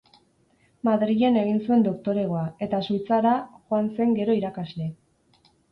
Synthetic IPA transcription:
maðɾiʎe̞ne̞ɣ̞insue̞nd̪o̞kt̪o̞ɾe̞ɣ̞o̞ae̞t̪asujt͡saɾaʝoanse̞ŋɡe̞ɾo̞iɾakazle̞

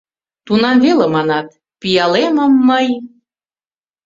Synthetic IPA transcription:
t̪unɑmvelemɑnɑt̪̚ | pijɑlemə̆mːəj

